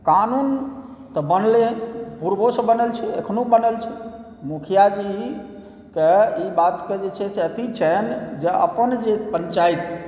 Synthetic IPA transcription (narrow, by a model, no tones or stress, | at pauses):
kanun | t̪ɔbənlepuɾbosə̃bənəlt͡ʃʰɛḛkʰnobənəlt͡ʃʰɛ | mukʰijad͡ʒi | keibat̪ked͡ʒet͡ʃʰɛseət̪it͡ʃʰɛnd͡ʒeə̰pənd͡ʒepəɲt͡ʃait̪